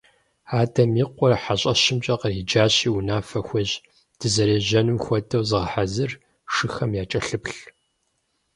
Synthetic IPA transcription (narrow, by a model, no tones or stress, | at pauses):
aːdʰɐmiːqʷɔrħaɕʼɐʃɪmt͡ʃʼɐqəriːd͡ʒaːɕiːunaːfɐxʷɔʑ | d̥ɨzɐɾeːʑɐnɨmxʷɔdʰʼɐwzɨʁɐħazɨr | ʂɨxɐmjaːt͡ʃʼɐɬɨpɬ